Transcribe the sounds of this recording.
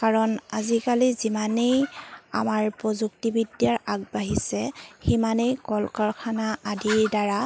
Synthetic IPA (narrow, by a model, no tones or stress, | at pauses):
kaɹɔnazikalizimaneja̰maɹpɹɔzuktibidjaɹaɡ̚baɦisɛximanejkɔlkɔɹkʰanaʔadiɹdaɹa